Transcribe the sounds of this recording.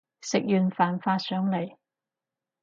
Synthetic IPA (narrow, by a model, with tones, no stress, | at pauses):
sɪ˨k̚jyː˨nfaː˨˩nfaː˧sœː˨˥ŋle˨˩j